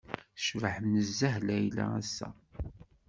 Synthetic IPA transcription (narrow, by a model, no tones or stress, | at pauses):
ʃvəħəmnəzːæɦlæjlæ̰æsːæ̰